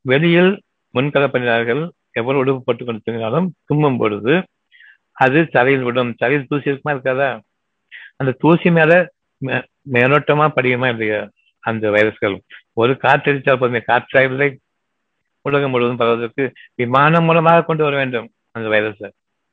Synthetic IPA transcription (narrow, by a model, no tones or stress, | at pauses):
ʋɛɭɪjɪl | mʊnkɐlɐpːɐɳːɪnaːɾɣɐɭ | ɛʋːɐɾɐ̃ʊɽɯpːɯpːoːʈːɯkːɔɽɯt̪ːɯŋɡɐnaːlɯmt̪ʊmbɐmpɔ̰ɻɯðɯ | ɐðɯsɐɾɐjɪlʋɪɽɯmsɐɾɐjɪlt̪uːsɪɪɾɯkːɯmaːɪɾɯkːaːðaː | ɐnd̪ɐt̪uːsimaːlɐ | meːɾɔʈːɐmaːpɐɽɪkːɯmaːɪndɐjɐ | ɐnd̪ɐʋɐjɐɾɐsɯɣɐɭ | ɔɾɯkaːʈːɐɾɪt͡ʃːaːlp̬oːðɯmeːkaːʈːaːlːɐɪ | ʊɻɐɣɐmʊɻɯʋɐðɯmpɐɾɯʋɐðɐɾkːɯʋɪmaːnɐmːʊlɐmaːɣɐkɔɳɖɯʋɐɾɐʋeːɳɖɯm | ɐnd̪ɐʋɐjɐɾɐs